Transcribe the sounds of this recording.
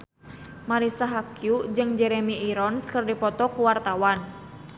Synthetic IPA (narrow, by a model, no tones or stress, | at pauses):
maɾisaɦakjud͡ʒɨŋd͡ʒɛɾemiʔiɾɔnskərdipɔt̪ɔkuwart̪awan